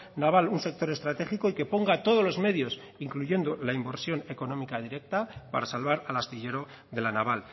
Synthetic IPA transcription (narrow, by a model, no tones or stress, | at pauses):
naβ̞alunse̞k̚t̪o̞ɾest̪ɾat̪e̞xiko̞ike̞po̞ŋɡat̪o̞ð̞o̞zlo̞zme̞ð̞jo̞s | iŋkluʝe̞nd̪olaimbe̞ɾsjo̞ne̞ko̞no̞mikað̞iɾe̞k̚t̪apa̰ɾasalβ̞aɾalast̪iʎe̞ɾo̞ | ðe̞lanaβ̞al